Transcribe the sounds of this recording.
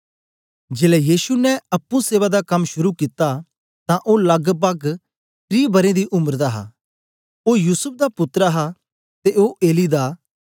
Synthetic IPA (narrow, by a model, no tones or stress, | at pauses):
d͡ʒeːlɛjiːsunɛɐpːũseːβad̪akɐmʃʊɾukɪt̪ːa | t̪ãʔoːlɐɡbɐɡ | t̪ɾiːbɐɾẽd̪iʔʊməɾd̪aɦa̰ː | oːjuːsʊp̚ʰd̪apʊt̪ːɾaɦa | t̪eoːʔeːlid̪aː